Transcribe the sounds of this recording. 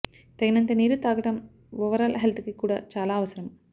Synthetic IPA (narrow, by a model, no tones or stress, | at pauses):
t̪ɐɡɐnɐnt̪ɐniːɾut̪aːɡɐʈɐm | ʋɔʋɐɾaːlɐɦelt̪ʰkikuːɽa̰ːt͡ʃaːlaːɐʋɐsɐɾɐm